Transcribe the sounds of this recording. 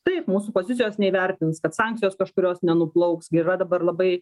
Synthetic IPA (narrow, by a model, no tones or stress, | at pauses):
t̪ɐɪpmuːsuːpoːzʲɪt̪sʲɪjoːsnʲɛiʋʲɛɾʲt̪ʲɪnskɐt̪sɑŋk̚t͡s̪ʲɪjoːskɐʃkʊɾʲoːsnʲɛnʊplˠɐʊksɡʲɪɪrɐd̪ɐbɐrlˠɐbɐɪ